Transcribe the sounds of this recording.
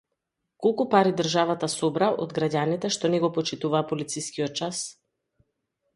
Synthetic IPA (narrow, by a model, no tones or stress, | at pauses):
kolˠkupaɾid̪r̩ʒavat̪asɔbɾaʔɔ̰d̪ɡɾaɟanit̪ɛʃt̪ɔnɛɡɔpɔt͡ʃit̪uvaːpɔlit̪siskiɔt̪̚t͡ʃas